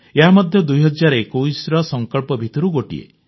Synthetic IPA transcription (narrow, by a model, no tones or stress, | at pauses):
eɦamɔd̪ʱjɔd̪ujɦɔd͡ʒːaɾɔekuisɾɔsɔŋkɔɭpɔbʱit̪ɔɾuɡoʈḭḛ